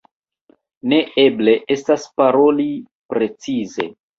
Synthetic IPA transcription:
ne̞eble̞ʔe̞staspaɾo̞li | pɾe̞t͡size̞̰

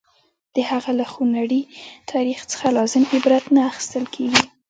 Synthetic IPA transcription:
d̪̥əhaɣalaxunaɽit̪ʰɑɾixt͡sə̥xalɑzɪmɪbɾat̪naːxɪ̥st̪əlkʰeɡi

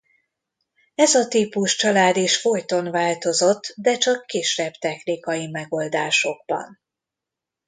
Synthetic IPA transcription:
ɛzɒt̪iːpuʃt͡ʃɒlaːd̪iʃfo̞jt̪o̞nvaːlt̪o̞zo̞t̪ːd̪ɛt͡ʃɒkːiːʃɛbt̪ɛxnikɒjimɛɡo̞ld̪aːʃo̞ɡ̚bɒ̰n

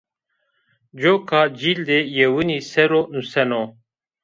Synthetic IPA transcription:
d͡ʑokʰaːd͡ʑild̪ejewɨnisɛɾonusɛno

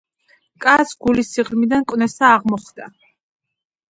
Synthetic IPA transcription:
kʼasɡ̥ulisiʁlmid̪ankʼwnɛsaːʁmɔχd̪̥a

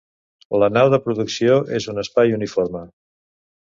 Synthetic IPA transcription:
lənawðəpɾuðuksioʔezunəspajunifoɾmə

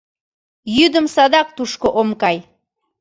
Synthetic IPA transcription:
jyd̪əmsɑd̪ɑk̚t̪uʃkoʔomkɑj

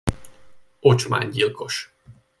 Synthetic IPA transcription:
ot͡ʃma̰ːɲɟilko̞ʃ

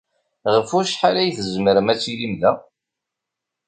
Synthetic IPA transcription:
ʁəfʊɾʃħalæjθəzməɾəmæt͡sːilimðæ

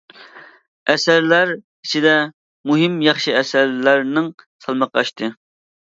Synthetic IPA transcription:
ɛsæɾlæɾ | i̥t͡ʃʰid̪ɛ | muɦɪmjɑχʃiɛsæɾlæɾnɪŋsɑlˠmɑqɑ̰ʃt̪ʰɨ

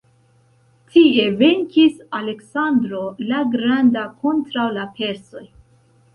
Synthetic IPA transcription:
tʰie̞ve̞ŋkisale̞ksandɾo̞laɡɾandakʰo̞ntɾawlapʰe̞ɾso̞j

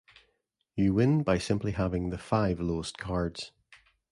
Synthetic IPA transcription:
jəwɪ̃nbaɪsɪ̃mplˠiɦavɪ̃ŋðəfaɪvlˠoskʰaɹdz̥

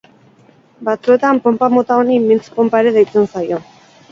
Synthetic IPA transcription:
bat͡sue̞t̪ampo̞mpamo̞t̪ao̞nimint͡spo̞mpaeɾe̞ðajt͡sensajo̞

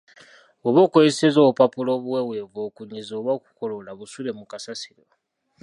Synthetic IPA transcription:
oβokojesezoupapulo̞ːβuwewe̞voːkuɲizoːβoku̥kolo̞laβusule̞mukasasiɾo

